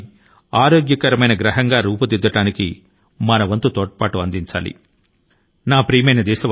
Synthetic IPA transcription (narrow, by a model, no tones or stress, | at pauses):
aːɾoːɡjɐkɐɾɐmɐjnɐɡɾɐɦɐŋɡaːɾuːpud̪id̪ːɐʈaːnikḭ | mɐnɐʋɐnt̪ut̪ɔːʈɐpaːʈuɐnd̪iɲt͡ʃa̰ːlḭ | naːpɾiːmɐjnɐd̪ɛːʃɐ